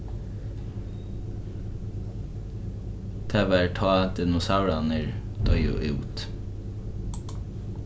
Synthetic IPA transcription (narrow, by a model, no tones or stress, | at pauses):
t̪ʰɛʋæʈʰɑːd̪ɪnʊsaʊɾɑnəɹ | d̪̥œʏʊ̰ʔʉːt̪